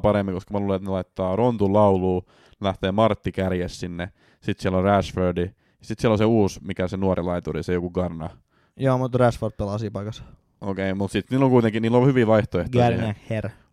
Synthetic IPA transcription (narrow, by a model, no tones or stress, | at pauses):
pɑɾemːiŋkoskɑmæluːleet̪nelɑit̪ːɑːront̪ulɑuluː | læht̪eːmɑrt̪ːikærjessinːe | sit̪sieloræsførdi | jɑsit̪sieloseuːsmikæsenuoɾilɑit̪urisejokuɡ̥ɑrnɑ | joːmut̪ræsford̪̚pelɑsiːpɑikɑsɑ̥ | okeimut̪sit̪niːlːoŋkuit̪eŋkiniːlːohyʋiʋɑiht̪oeh̪ɡoæsineːer